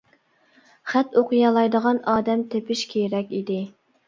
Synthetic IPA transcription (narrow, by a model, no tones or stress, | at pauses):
χæt̪oqɨjɑlˠɑjd̪əʁɑnɑːd̪ɛmt̪ʰepʰɪʃkʲʰeɾɛkʲid̪ɪ